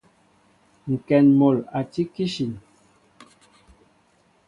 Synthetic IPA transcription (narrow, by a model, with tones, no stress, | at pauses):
ŋ̩˨kɛ˨nmo˨la˨ti˦ki˦ʃi˨n